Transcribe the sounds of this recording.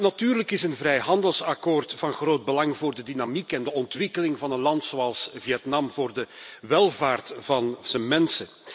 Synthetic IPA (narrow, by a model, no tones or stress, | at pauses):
natyːrləkɪsənvrɛjɦɑndəlˠsɑkoːrtfɑnɣroːd̚bəlɑŋvoːrdədinamikɛndəɔntwɪkəlɪŋvɑnətlɑntsoːɑlˠsviɛtnɑmvoːrdəʋɛlˠvaːrtv̥ɑnz̥ənmɛnsə